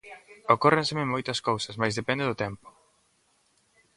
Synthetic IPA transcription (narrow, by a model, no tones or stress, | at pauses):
okorẽnsemɪmojt̪ɐskowsɐsmajzðepɛ̃nd̪ɪðʊt̪ɛmpʊ̥